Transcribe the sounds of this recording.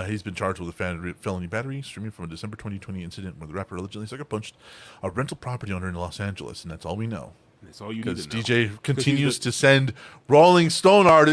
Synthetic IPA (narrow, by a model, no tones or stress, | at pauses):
izbɨ̃nt͡ʃʰɑɹd͡ʒd̚wəðəffɛlˠə̃nibæɾə˞istɹ̥ĩmɪ̃ŋfɹʌ̃mədɨsɛ̃mbə˞tʰw̥ɛ̃ɾ̃itʰw̥ɛ̃ɾ̃iɪ̃nsɨɾɨ̃nʔwə˞ðəɹæpə˞lˠəd͡ʒɨ̃nʔlisʌkə˞pʰʌ̃nt͡ʃtəɹɛ̃ntˡl̩ˠpʰɹ̥ɑpə˞ɾiõndə˞ɨ̃nlɔ̰sæ̃nd͡ʒɨl̩ˠə̰sn̩ðætsɔ̰lˠwinoʊ | kʰʌzdid͡ʒeɪkʰɨ̃ntʰɪ̃njʉz̥tʰɨsɛ̃nd | ɹoʊlˠɪ̃ŋstõʊ̃nɑɹɾɨ